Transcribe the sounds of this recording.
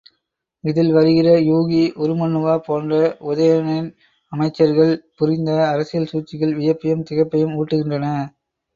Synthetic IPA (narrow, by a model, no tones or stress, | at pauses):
ɪðɪlʋɐɾɯɣɪrɐjuːɣiʔɔɾɯmɐnːɯʋaːpoːndrɐʊðɐjɐnɪn | ɐmɐɪt͡ʃːɐɾɣɐɭpʊɾɪnd̪ɐːɾɐsɪjɐlsuːt͡ʃːɪɣɐlʋɪjɐpːɪjɐmt̪ɪɣɐpːɐjɯmuːʈːɯɣɪndrɐnɐ